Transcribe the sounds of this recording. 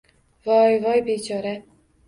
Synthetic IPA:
vɒjvɒjbet͡ʃʰɒɾa

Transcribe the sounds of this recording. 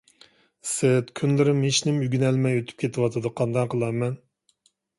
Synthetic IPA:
sɪt̪kʲʰynlɪɾɪmiʃnɪmyɡʲynɛlmɛjøt̪ʰy̥p̚kʲʰet̪ʰɪwɑt̪ʰɨd̪ɨqʰɑnd̪ɑŋqʰəlˠɑmɛn

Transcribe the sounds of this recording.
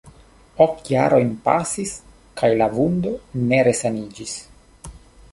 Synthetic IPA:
o̞kjaɾo̞jnpa̰sis | kʰajlavund̪o̞ne̞ɾe̞sanid͡ʒis

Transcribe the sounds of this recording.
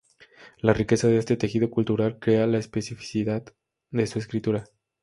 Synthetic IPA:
larike̞saðe̞est̪e̞t̪e̞xið̞o̞kult̪uɾalkɾe̞alaespe̞sifi̥siðað | ðe̞sue̞skɾit̪uɾa

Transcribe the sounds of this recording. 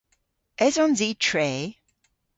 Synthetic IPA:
ʔɛzɔ̃nzitʰɹe

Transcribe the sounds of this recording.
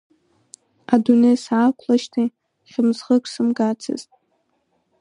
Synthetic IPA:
adunejsakʷʰlaʃtʰi | χʲɪmzʁəkʰʷsɨmɡat͡sʰɨ̰ztʼ

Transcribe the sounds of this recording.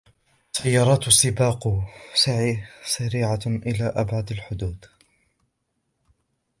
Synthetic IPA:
sajːɑːɾˤɑːt̪sːɪbaːqsaʕiːsaɾiːʕaʔɪlaːʔabʕad̪alħʊd̪uːd̪

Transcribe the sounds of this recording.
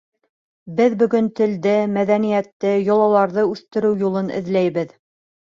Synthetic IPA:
bɘðbɵ̆ɡɵnt̪ɘ̆ld̪ɘmæðænijæt̪ːɘjŏlˠɑlˠɑɾðɤʉθt̪ɘ̆ɾɘwjulˠɤnɘ̰̆ðlæjβɘð

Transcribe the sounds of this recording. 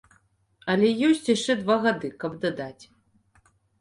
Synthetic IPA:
ɐlʲɛjɔsʲt͡sʲjiʂt͡ʂɛd̪vaɣad̪ɨkɐbd̪ad̪at͡sʲ

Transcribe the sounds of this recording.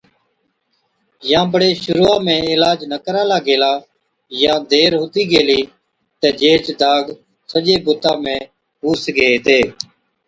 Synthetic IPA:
jãːbəɽeːʃʊɾuːaːmẽːɪlaːd͡ʒnəkəɾãːlaːɡeːlaː | jãːd̪eːɾɦʊt̪iːɡeːliː | t̪eːd͡ʒeːt͡ʃd̪aːɡ | səʄeːbʊt̪ãːmẽː | ɦuːsɡeːt̪eː

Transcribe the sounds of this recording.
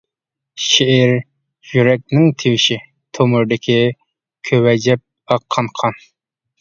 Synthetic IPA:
ʃeɛɾ | jyɾɛk̚ʲnɪŋt̪ʰewɪʃi | t̪ʰomʊɾd̪ɪkʲʰi | kʲʰøwɛd͡ʒɛp̚ | ɑqʰːɑnqʰɑn

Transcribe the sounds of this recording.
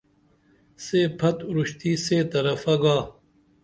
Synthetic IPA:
seːpʰɐt̪uɾuɕt̪iːseːt̪ɐɾɐfɐɡaː

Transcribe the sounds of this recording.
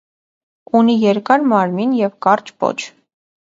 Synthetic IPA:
unijɛɾkɑɾmɑɾminjɛvkɑrt͡ʃpɔ̰t͡ʃʰ

